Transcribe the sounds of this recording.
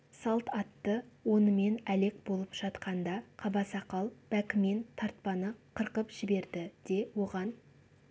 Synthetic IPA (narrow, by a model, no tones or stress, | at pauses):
sɑlˠt̪ɑt̪ːəwo̞nəme̞næle̞k̚bo̞lˠəpʒ̥ɑt̪qɑnd̪ɑqʰɑbɑsɑqɑlˠb̥ækʲɪme̞nt̪ʰɑɾt̪̚pɑnəqʰəɾqəpʒ̥ɪbe̞ɾd̪ɪd̪̥e̞wo̞ʁɑn